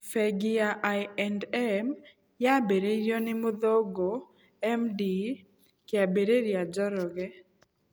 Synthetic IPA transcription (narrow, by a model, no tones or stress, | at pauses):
fɛɡɪaʔajɛndɛm | jabeɾeɾjonɪmʊd̪oɡo | ɛmdi | kɪabeɾeɾjad͡ʒɔɾɔɡɛ